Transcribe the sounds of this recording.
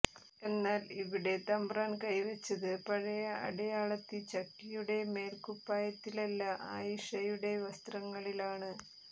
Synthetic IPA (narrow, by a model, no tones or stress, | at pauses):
e̞nːaːliʋiɽe̞t̪ɐmbraːnkɐjʋɐt͡ɕːɐðɨpɐɻɐjɐʔɐ̰ɽɐjaːɭɐt̪ːit͡ɕɐkːijuɽe̞me̞ːlkupːaːjɐt̪ːilɐlːɐʔaːjiʂɐjuɽe̞ʋɐst̪rɐŋːɐɭilaːɳɨ